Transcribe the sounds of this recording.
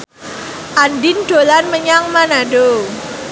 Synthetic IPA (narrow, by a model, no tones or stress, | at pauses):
ʔanɖɪnɖ̥o̤lanməɲaŋmanaɖo